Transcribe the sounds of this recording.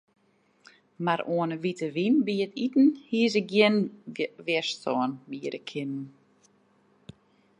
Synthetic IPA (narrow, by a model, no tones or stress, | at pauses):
maɾoənəʋitəʋinbiətʰitn̩hiəs̬əɡjɪnʋɛstʰɔːnbiəɾəkʰɪnn